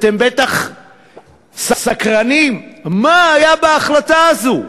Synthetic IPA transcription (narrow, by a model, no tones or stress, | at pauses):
t̪embet̪aχ | sasakʁanimmaajabeːχlat̪aːzu